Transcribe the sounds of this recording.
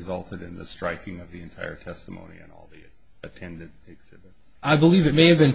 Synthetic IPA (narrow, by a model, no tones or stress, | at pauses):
zʌlˠtʰɨɾɨ̃nðɨ̰stɹ̥aɪkɪ̃ŋʌvðiɨ̃ntʰaɪə̰˞tʰɛstəmõ̰ʊ̃nḭɨ̰̃nɔ̰lˠði | ɨtʰɛ̃ndɨ̃ntɨɡz̥ɪbɨ̥ | aɪbəlivɨt̚meɪɨvbɨ̃n